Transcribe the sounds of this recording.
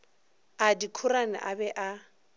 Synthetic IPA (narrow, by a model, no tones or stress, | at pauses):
adikʰʊɾanɪ̰ʔabɛʔa